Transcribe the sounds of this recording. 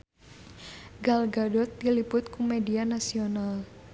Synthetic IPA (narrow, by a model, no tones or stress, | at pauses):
ɡalɡadɔt̪̚dilipʊt̪̚kumedianasional